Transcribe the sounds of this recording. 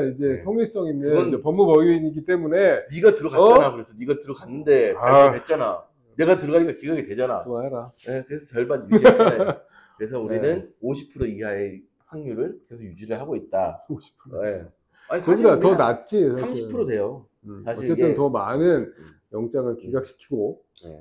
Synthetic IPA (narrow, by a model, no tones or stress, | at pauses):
id͡ʑe̞tʰoŋiɭs͈ʌŋindɯd͡ʑepʌmːupʌɡjuiɲiɡit͈e̞mune̞niɡatɯɾʌkanakɯɾesʰʌniɡatɯɾʌkanːɯnde̞aet͡ɕ͈ana | ne̞ɡatɯɾʌɡaɲikakiɡaɡidwe̞d͡ʑana̰aaɾaekɯɾesʰʌt͡ɕʌɭbanjui | ɯɾesʰʌuɾinɯnoɕʰi̥pʰɯɾoiɦae | haŋɲuɾɯɭke̞sʰojud͡ʑiɾɯɭɦaɡoit̚t͈aoɕʰi̥pʰɯɾoe | akɯiɡatʌnat̚t͡ɕ͈isʰamɕipʰɯɾode̞jo | sʰaɕʌit͡ɕe̞ɯntʌmanɯn | jʌŋt͡ɕ͈aŋɯɭkiɡak̚ɕʰi̥kʰiɡo | ḛ